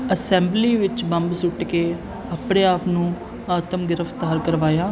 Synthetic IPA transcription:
əsɛ̃ːmbliːʋɪt͡ʃbəmbsʊʈkeː | aːpɳeːaːpnũː | aːt̪əmɡɪɾəft̪aːɾkəɾʋaːjaː

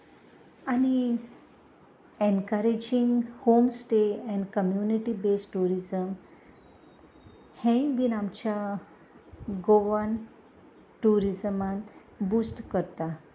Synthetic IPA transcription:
ani | enkəɾed͡ʑiŋɡhomsʈeɛ̃ɳɖkəmjuniʈibesʈuɾizəm | hɛ̃ʋinamt͡ɕja | ɡoʋan | ʈuɾizəmã | buːsʈkəɾt̪a

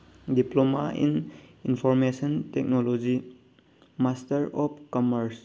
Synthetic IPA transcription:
diplomaḭninpʰɔɾmesɔntek̚nolod͡ʒi | mastɐɾɔpkɔməɾs

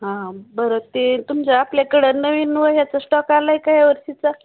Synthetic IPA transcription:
ɦãbəɾot̪et̪umt͡ɕaːplakəɽənəʋinuʋəjat͡səsʈɔkalaijkaɦjaʋəɾsit͡sa

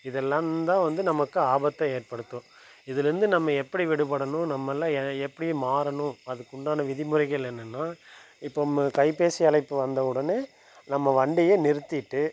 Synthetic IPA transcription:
ɪðɛlːãːd̪ãːʋɐnd̪ɯnɐmɐkːɯaːbɐt̪ːɐeːrpɐɽɯt̪ːʊ̃ː | ɪðɪlɾɯnd̪ɯnɐmːɐɛpːɐɽiʋɪɽɯpɐɽɐnʊ̃nɐmːɐlːãːɛɛpːɐɽɪjeːmaːɾɐnʊ̃ɐðɯkːʊɳɖaːnɐʋɪðɪmʊɾɐɪɣɐlɛnːɯnːaː | ɪpːokɐɪpːeːsɪɐlɐɪpːɯʋɐnd̪ɐɯɽɐneː | nɐmːɐʋɐɳɖɪjeːnɪɾɯt̪ːɪʈːɯ

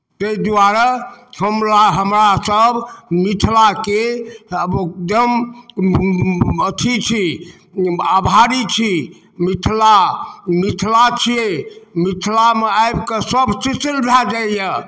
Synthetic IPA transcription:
t̪eid̪aɾahəmɾaɦəmɾasəbmit̪ʰlake | okd̪əm | ət̪ʰit͡ʃʰi | abʱaɾit͡ʃʰi | mit̪ʰlamit̪ʰlat͡ʃʰiemit̪ʰlameajbkəsəbsisilbʱad͡ʒajə

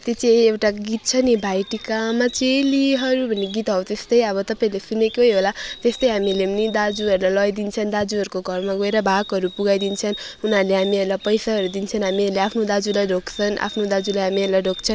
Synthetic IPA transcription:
t̪et͡siewʈaɡit̪̚t͡sʰʌnibʱajʈikamat͡seliɦʌɾubʱʌnːeɡit̪ɦʌw̃t̪est̪ʌjʌβʌt̪ʌpaĩlesunekeɦjɦolat̪est̪ʌjɦamilemnid̪ad͡zuʌɾulalʌjd̪int͡sʰʌnd̪ad͡zuɦʌɾukoɡʱʌrmaɡoeɾʌbʱakɦʌɾupuɡajd̪int͡sʰʌn | unarleɦamiʌɾlapʌjsaɦʌɾud̪int͡sʰʌnɦamiʌɾleapʰnod̪ad͡zulajɖokt͡sʰʌnʔa̰pʰnod̪ad͡zulajɦamieɾlaɖʱok̚t͡sʰʌn

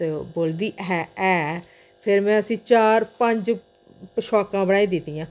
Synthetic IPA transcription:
teboːld̪iːɦɛːɛː | pʰɪɾmɛ̃ːəsĩːt͡ʃaːɾpəɲd͡ʒ | ʃɔːkãːbəɽaːĩːd̪ɪt̪ːijãː

